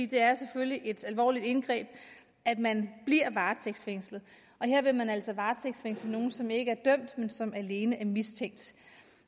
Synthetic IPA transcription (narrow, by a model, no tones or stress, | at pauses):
ḭːd̥e̝æɐseføljiʔe̝d̥ælʋɒ̰ːlid̥e̝nɡ̥ʁɛ̰ːb̥ | ʔæd̥mænb̥liɐ̰ʋɑ̈ːt͡sʰeɡ̥sfeŋ̰slð̩ˠ | ʔɒ̽ɦe̝ɐ̰ʋe̝mænæl̰sɒ̽ʋɑ̈ːt͡sʰeɡ̥sfeŋ̰sl̩no̝ːn̩sɒ̽me̝ɡ̥əæɐd̥œm̰d̥mensɒ̽mæle̝ːnəʔæɐmist͡sʰeŋ̰d̥